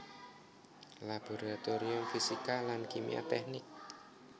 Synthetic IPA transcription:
lab̥o̤ɾat̪oɾiʊmfisikalankimḭa̰t̪ɛknɪk̚

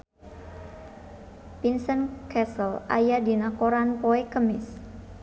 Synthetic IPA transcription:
pinsənkɛsəla̰jadinakoɾanpoɛkəmɪs

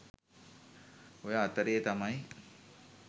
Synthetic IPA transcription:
ojəːt̪əɾejːt̪amaj

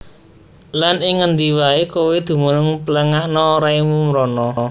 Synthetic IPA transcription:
lanɪŋːənd̪iwaekowed̪̥ṳmunʊŋpələŋaʔnɔːɾaimumɾɔnɔɔ

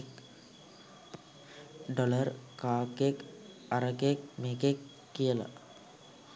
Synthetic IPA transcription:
k | ɖoləɾkaːkek | aɾəkek̚meːkekː | ijəla̰

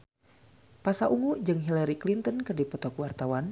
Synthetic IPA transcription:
pasaʔuŋuʔd͡ʒɨŋɦilaɾiklint̪ənkərdipɔt̪ɔkwart̪awan

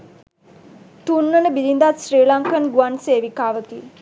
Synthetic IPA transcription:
t̪unːənəbiɾind̪at̪sɾiːlaŋkənɡuanseːʋikaːʋəki

